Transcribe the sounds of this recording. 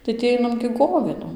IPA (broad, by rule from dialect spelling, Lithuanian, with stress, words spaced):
tɐɪ tʲiː ˈɐɪnɐm ɡʲɪ ˈɡoːʋʲeːdoːm